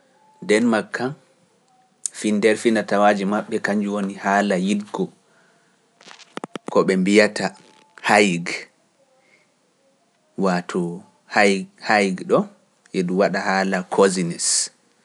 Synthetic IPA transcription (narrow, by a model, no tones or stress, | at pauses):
ndɛnmakʰːan | findɛɾfinatawaːd͡ʒimaɓːɛkaɲd͡ʒuwonihaːlajidɡɔ | kɔɓɛmbijata | hajɡ | watʰɔ | hhajɡɗɔ | ʔɛɗuwaɗahaːlakʰozinɛs